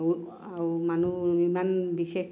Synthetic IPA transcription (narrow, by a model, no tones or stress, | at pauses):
amanuimanbixe